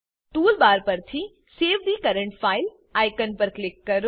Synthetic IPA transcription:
ʈuːlbaːɾpɐɾt̪ʰi | seːʋɖ̪iːkɐɾə̃ɳʈfʰaːɪl | aːɪkənpɐɾklɪkːɐɾ

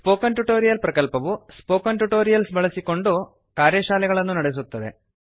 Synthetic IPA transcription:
sspo̞ːkːɐnʈuʈːo̞ːɾijɐlprɐkɐlpɐʋuspo̞ːkːɐnʈuʈːo̞ːɾijɐlsbʱɐɭɐsikʲːo̞ɳɖoː | kaːɾjɐɕaːlɐɣɐɭe̞nːunɐɽis̬ut̪ːɐðḛ

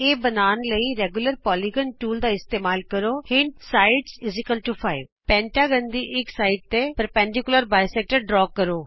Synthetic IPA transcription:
eːbənaːnləiːɾɛːɡjʊləɾpɔːliɡənʈuːld̪aːɪst̪eːmaːlkəɾoːhɪnɖsaːɪɖsɪzɪkəlʈupʰaːɪʋ | pɛ̃ːʈaːɡənd̪iːʔɪksaːɪɖ̚t̪eːpəɾpɛ̃ːɳɖɪkʊləɾbaːjsɛːk̚ʈəɾɖɾɔːkːəɾoː

